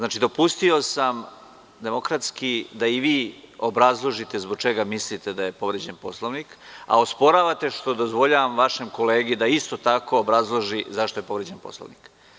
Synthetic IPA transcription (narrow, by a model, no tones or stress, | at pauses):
znaːt͡ʃid̪o̞pust̪io̞sam | d̪e̞mo̞kɾat̪skid̪aiʋiːobɾazlˠo̞ʒit̪e̞zbo̞ɡ̚t͡ʃe̞ɡamislit̪ed̪aje̞po̞ʋɾed͡ʑe̞npo̞slˠoʋnika̰o̞spo̞ɾaːʋat̪e̞ʃt̪o̞d̪o̞zʋo̞ʎaʋamʋaʃemko̞leːɡid̪aist̪o̞t̪ako̞ːbɾazlˠo̞ʒizaʃt̪o̞je̞po̞ʋɾed͡ʑenpo̞̰slˠo̰ʋnḭk